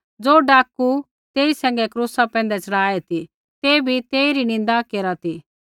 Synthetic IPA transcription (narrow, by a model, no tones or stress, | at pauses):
d͡zoːɖaːku | t̪eːisɛ̃ːŋɡɛkɾuːsapɛ̃ːn̆d̪ɛt͡sɐɽaːet̪i | t̪eːbʱit̪eːiɾinɪ̃nd̪akeːɾat̪i